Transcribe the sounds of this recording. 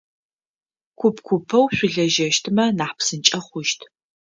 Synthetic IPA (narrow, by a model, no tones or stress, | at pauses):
kʷʰʊpkʷʰʊpʰɐwɕʷʊɮɐʒɐʃtʰɨmɐnaːħpsɨnt͡ʃʼɐχʷʊʃtʰ